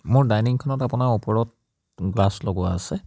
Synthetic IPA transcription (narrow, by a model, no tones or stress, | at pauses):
mʊɹdajniŋkʰɔnɔtapʊnaupɔɹɔt̚ | ɡlaslɔɡʊwaːsɛ